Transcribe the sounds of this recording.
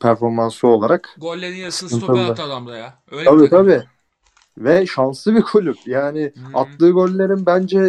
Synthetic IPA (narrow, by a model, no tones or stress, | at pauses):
pʰæɾfo̞ɾmanso̞lˠaɾaksɯ̥kʰɯnt̪ʰɯlˠːa | t̪ʰabit̪ʰabi | vɛʃansɯbikʰulʲup̚jaːnɪat̪lˠɯːɡølʲːe̞ɾinbænd͡ʒɛ